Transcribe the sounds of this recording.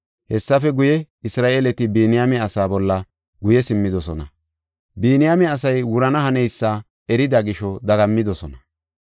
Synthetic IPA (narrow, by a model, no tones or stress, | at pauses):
hɛsːɐfɛɡʊjɛ | ɪsɾaːʔeːlɛt̪ɪbiːnɪjamɛɐsaːbɔlːɐ | ɡʊjɛsɪmːɪd̪ɔsɔnɐ | biːnɪjamɛɐsɐjwʊɾɐnɐhɐnɛjsːa | ɛɾɪd̪ɐɡɪʃɔd̪ɐɡɐmːɪd̪ɔsɔnɐ